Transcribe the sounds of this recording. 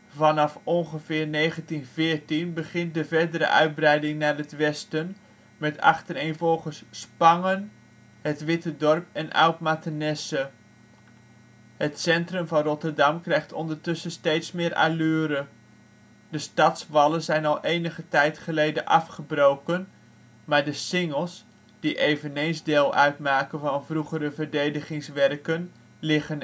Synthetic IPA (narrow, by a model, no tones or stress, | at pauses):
vɑnɑfɔnχəvɪːrnejχəntinvɪːɹtinbəχɪnt̚dəvɛɹdəɾə̰ʔœ̰ɥd̚brɛjdɪŋnaːrətʋɛstən | mɛtɑ̰χtəɾejnvɔlˠχəsspɑŋən | hətʋɪtədɔrpɛnʔa̰wtmatənɛsə | hətsɛntrɵmvɑnrɔtərdɑmkrɛjχtɔndərtɵsəstejtsmɪːɾʔa̰lyːɾə | d̥əstɑtsʋɑləzɛjnɑlˠʔejnəχətɛjtχəlejdəʔɑfχəbrowkən | maːɹdəsɪŋəlˠs | d̥iʔejvənejnzdɪːlˠʔœɥtmaːkənvɑnvruχəɾəvərdejdəχɪŋsʋɛrkən | lɪχən